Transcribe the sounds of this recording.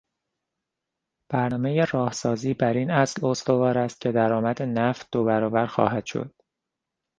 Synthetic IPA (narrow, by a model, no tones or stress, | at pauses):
b̥æɾnɒːmejerɒːhsɒːziːbæɾinæslo̞st̪o̞vɒːɾæst̪̚cʰe̞d̪æɾɒːmæd̪e̞næft̪̚d̪̥obæɾɒːvæɾxɒ̰ːɦæd̪̥ʃo̰d̪̥